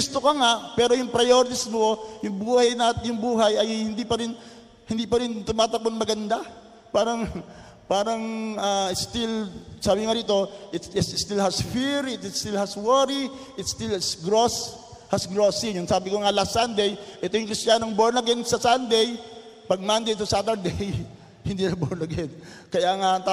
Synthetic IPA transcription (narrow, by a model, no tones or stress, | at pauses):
ɡʊst̪okɐŋaʔpɛːɾo̞jʊŋpɾɐjoɾɪt̪ɪsmojʊŋbuːhɐjnat̪ɪjʊŋbuːɦɐjɐjhɪnd̪ipɐɾɪn | hɪnd̪iːpɐɾɪnt̪ʊmaːt̪ɐkonmɐɡɐnd̪a | paːɾɐŋ | paːɾɐŋaːɪst̪ɪlsaːbɪŋad̪iːt̪o̞ʔɪt̪sɪsst̪ɪlhɐsfiɾɪt̪st̪ilhaswɛɾiʔɪt̪st̪ilsɡɾos | hɐsɡɾosijʊŋsaːbɪkoŋalasand̪ɛjʔɛt̪ojʊŋkɾɪst̪jaːnoŋboɹnɐɡɛnsɐsand̪ɛj | pɐɡ̚mand̪ejt̪osat̪ɛɹd̪ɛj | hɪnd̪inɐboɹnɐɡɛn | kɐjaʔɐŋaɐŋt̪a